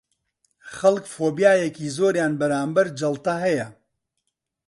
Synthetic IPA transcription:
χɐlkfoːbjaːjekiːzoːɾjaːnbɐɾaːmbɐɾd͡ʒɐlˠt̪ɐɦɛjɐ

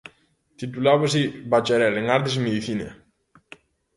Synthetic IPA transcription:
t̪it̪̬ulaβes̬ibat͡ʃeɾɛleŋaɾt̪̬esmeðiθinḛ

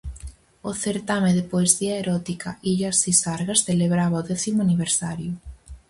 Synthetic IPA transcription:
ʊθeɾt̪ameðɪpoesiaeɾɔt̪ikʰaʔiʎasisaɾɣasθeleβɾaβaoðɛθimʊaniβ̞eɾsaɾjʊ

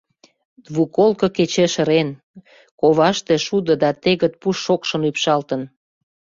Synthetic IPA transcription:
d̪βukolkɤ̆ket͡ɕeʃə̆ɾen | koβɑʃt̪e̽ʃud̪ə̆d̪ɑt̪eɣə̆t̪̚puʃːokʃə̆mypʃɑlt̪ən

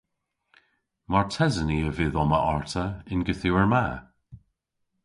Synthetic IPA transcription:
maɹtʰɛzəniəvɪðɔməʔɔɹtʰəɪnɡɪθɪwəɹma

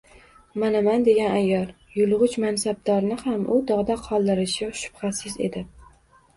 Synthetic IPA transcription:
manamand̪e̞ɡʲanajːɒɾ | jʊlˠʁʊt͡ʃmansab̚d̪ɒɾnɪhamʔʊd̪ɒʁd̪aqʰɒlˠd̪ɪɾɪʃɪʃʊ̥b̥χasɪze̞̰d̪ɪ

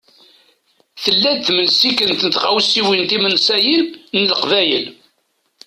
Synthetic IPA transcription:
θəlːæd̪θməlsikənt̪nət̪ʁawsiwint̪imənsæjinnələqvæjəl

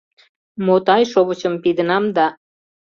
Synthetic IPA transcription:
mot̪ɑjʃoβət͡ɕəmpid̪ənɑmd̪ɑ

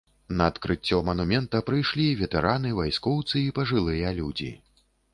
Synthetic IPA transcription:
nɐːt̪kɾɨt͡sʲːɔmɐnumʲɛnt̪ɐpɾɨjʂlʲivʲɛt̪ɛɾanɨvajskɔwt̪sɨipɐʐɨlˠɨjɐlʲud͡zʲḭ

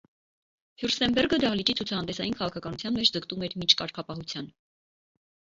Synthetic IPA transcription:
hjurst̪ɛmbɛɾɡəd̪ɑlit͡ʃit͡sʰut͡sʰɑhɑnd̪ɛsɑjinkʰɑʁɑkʰɑkɑnut͡sʰjɑnmɛt͡ʃʰd͡zəkt̪umɛɾmint͡ʃʰkɑɾkʰɑpɑɦut͡sʰjɑn

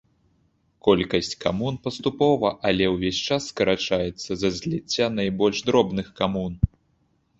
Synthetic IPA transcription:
kɔlʲkɐsʲt͡sʲkamunpɐst̪upɔvɐʔɐlʲɛwvʲesʲt͡ʂasːkɐɾat͡ʂajɛt̪sːɐzɐzʲlʲit͡sʲːanajbɔlʲʐd̪ɾɔbnɨxkamun

